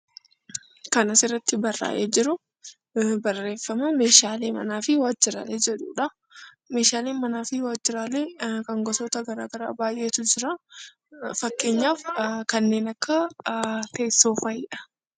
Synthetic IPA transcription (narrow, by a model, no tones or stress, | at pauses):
kɐnɐsɪrːɐt̪ːɪbɐrːa̰ːʔeːd͡ʒɪɾʊ | bɐrːe̞ːfːɐmɐme̞ːʃaːleːmɐ̰naːfɪwaːd͡ʒɪɾa̰ːleːd͡ʒɛᶑṵːᶑɐ | me̞ːʃaːleːnmɐnaːfɪwaːd͡ʒɪɾaːleːkɐŋɡɔsoːt̪ɐɡɐɾaːɡɐɾa̰ːbaːjʔe̞ːt̪ʊd͡ʒɪɾa | fɐkːe̞ːɲːaːfkɐnːe̞ːnɐkːɐ | t̪e̞ːsːo̞ːfɐɪːᶑɐ̥